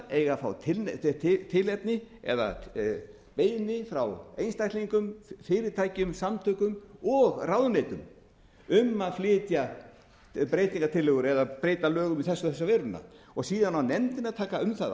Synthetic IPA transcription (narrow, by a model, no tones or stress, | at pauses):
ejɣafawt̪ʰɪlt̪ʰɪlɛp̪nɪɛ̰ða̰ | peːjnɪfɾawejnst̪ajhtliŋkʏmfɪːɾɪɾ̥t̪ʰajcʏmsamt̪ʰœkʏmɔɣrawðʏneːjt̪ʏm | ʏmːaðflɪːt̪ja | pɾeːjt̪iŋkat̪ʰɪlɪɣʏɾɛðapɾeːjt̪alœːɣʏmiθɛsːʏθɛsːavɛɾʏnːa̰ | ɔɣsiːðanawnɛmt̪ɪnaðt̪ʰaːkaʏmθaða̰